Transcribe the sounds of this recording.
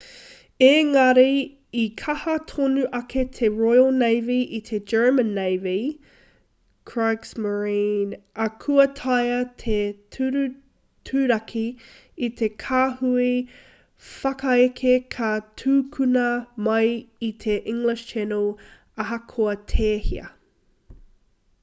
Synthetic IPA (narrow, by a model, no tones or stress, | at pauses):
eŋɐɾi | ikʰɐhɐtʰonuʔɐkʰet̪ʰeɹojəlnejviʔit̪ʰed͡ʒɜ˞mənːejvi | kʰɹ̥aɡsməɹĩnɐkʰuɐtʰɐjɐt̪ʰetʰɾ | tʰʉːɾɐkʰi | it̪ʰe̞kʰaːhui | fɐkɐekʰekʰɐtʰuːkʰʉnɐmɐjit̪ʰeʔɪ̃ŋlɪʃtʰɛnol | ɐɦɐkʰoɐt̪ʰeːhiɐ̰